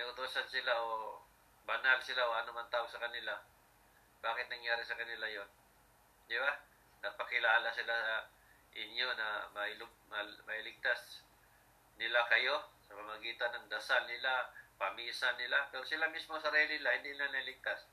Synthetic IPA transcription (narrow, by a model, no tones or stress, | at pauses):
nɐʊt̪uːsansɪlaʔo | bɐnalsɪlaʔoʔɐnomɐnt̪aːoɡsɐkɐnɪla | baːkɪt̪̚nɐŋjaːɾɪsɐkɐnɪlajon | d̪ɪba | nɐpɐkɪlaːlasɪlasɐ | ʔɪɲjonɐmɐɪlʊmɐmɐɪlɪɡ̚t̪as | nɪlakɐjo̞sɐpɐmɐɡiːt̪anːɐŋd̪ɐsalnɪlapɐmiːsanːɪlapɛɾosɪlamɪsmosɐɾiːlɪɪlahɪnd̪inɪlanɐɪlɪk̚t̪as